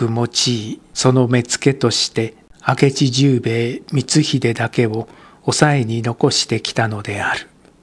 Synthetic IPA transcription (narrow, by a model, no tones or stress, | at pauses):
ɯ̟mo̞t͡ɕiːso̞no̞me̞t͡sɨ̥ke̞t̪o̞ɕi̥t̪e̞ake̞t͡ɕiʑɨːbe̞ːmʲit͡sɨçid̪e̞d̪ake̞o̞ː | sae̞ɲ̟ino̞ko̞ɕi̥t̪e̞kʲi̥t̪ano̞d̪e̞aɾɯ̟̥